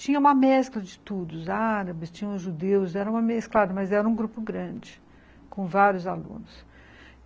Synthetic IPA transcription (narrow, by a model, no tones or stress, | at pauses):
t͡ʃĩɲɐ̃ũmɐmɛsklɐd͡ʒɪt̪ud̪ʊʊzaɾɐbɪst͡ʃĩɲɐ̃ʊzʒud̪ewʊzɛɾɐ̃ũmɐmesklad̪ɐmɐzɛɾɐũɡɾupʊɡɾɐ̃d͡ʒɪ | kõvaɾjʊzalṵ̃nʊs